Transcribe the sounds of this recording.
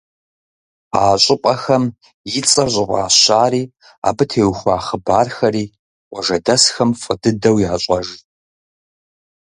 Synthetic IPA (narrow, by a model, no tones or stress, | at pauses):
aːɕʼɪpʼɐxɐm | jɪt͡sʼɐʑʷʼɪqʷʼa̰ːɕaːriː | a̰ːbɨtʰeːwxʷaːχəbaːrxɐɾiː | qʷʼɔʒɐdɐsxɐmfʼɨdɨdɐwjaːɕʷʼɐʒ